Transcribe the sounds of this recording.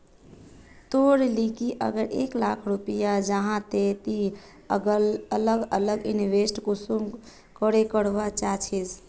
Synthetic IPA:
t̪oɾlikiʔə̰ɡəɾeklakʰɾupijad͡ʒəɦãt̪et̪i | ələɡələɡiniʋesʈkusum | kəɾekəɽʋat͡ʃat͡ʃʰid͡ʒ

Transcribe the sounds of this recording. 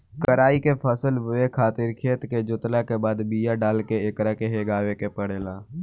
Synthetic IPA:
kəɾaːikepʰəsəlbʊekʰaːt̪ɪɾkʰeːt̪ked͡ʒʊt̪lakebaːd̪biːjaɖaːlkeeːkɾakeɦeːɡaːwekepəɽeːlaː

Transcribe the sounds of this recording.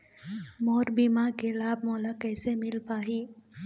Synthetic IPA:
moːɾbiːmaːkelaːb̚mɔːlakɛːsemɪlpaːɦiː

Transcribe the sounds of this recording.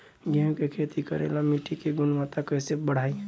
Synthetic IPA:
ɡemkekʰeːt̪ikəɾḛlamiʈʰikeɡʊnwat̪akəɪsebəɽ̤aːi

